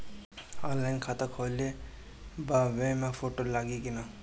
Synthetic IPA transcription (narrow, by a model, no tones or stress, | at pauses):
ãnlajnkʰat̪akʰole | baʋẽmãfʰoʈolaːɡeɡina